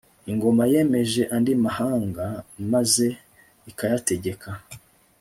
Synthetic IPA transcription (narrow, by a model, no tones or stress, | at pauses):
iŋɡo̞maje̞me̞ʒe̞ʔandimahaːŋɡamaze̞ | ikajate̞ɟe̞kʰa